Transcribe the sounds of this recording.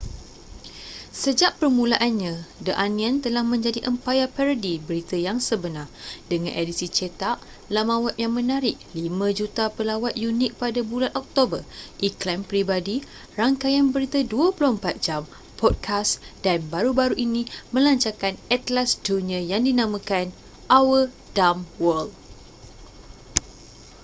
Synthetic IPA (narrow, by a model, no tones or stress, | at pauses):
səd͡ʒaʔpərmũlaʔanɲãdəʔanĩãnt̪əlahmə̃ɲd͡ʒadiʔəmpajapɛɾədibəɾit̪əjaŋsəbənardəŋã̰nʔedisit͡ʃet̪aʔ | lamawat̪̚jaŋmə̃naɾɪʔ̚limãd͡ʒut̪apəlawat̪̚junɪk̚padabulanʔɔk̚t̪obərʔiklɛmpɾibadi | raŋkajanbəɾit̪əduəpulʊhəmpat̪̚d͡ʒam | pɔd̚kʰasd̥anbaɾubaɾuʔinĩmə̃laɲt͡ʃakanɛt̪lasd͡ʒuniəjaŋdinãmãkan | ʔawə | damwɔl